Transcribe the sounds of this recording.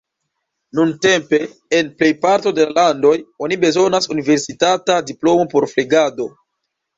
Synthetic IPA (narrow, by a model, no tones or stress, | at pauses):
nunte̞mpe̞ː | nplejpaɾto̞de̞lalando̞jo̞nibe̞zo̞nasunive̞ɾsitatadiplo̞mo̞po̞ɾfleɡado̞